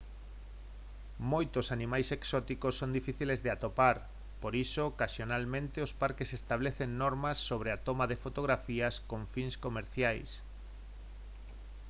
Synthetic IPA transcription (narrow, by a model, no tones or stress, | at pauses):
mojt̪osanĩmajseksɔt̪ikosːond̪ifiθilezðeat̪opaɾ | poɾisokaʃjonalmẽnt̪eospaɾkesest̪aβ̞leθeŋnɔɾmɐsːoβ̞ɾeat̪omaðefot̪oɣ̞ɾafiɐskõɱfinskomeɾθjajs